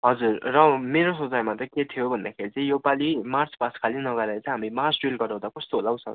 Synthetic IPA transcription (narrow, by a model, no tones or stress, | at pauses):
ɦʌd͡zurːʌmeɾosʌd͡zajmat̪ʌket̪ʰijobʱʌnd̪akʰeɾit͡sʌĩjopalimart͡spaskʰalinʌɡʌɾat͡sʌ̃ɦamimart͡sɖilɡʌɾaw̃d̪akost̪olaw̃t͡sʰʌ̰̃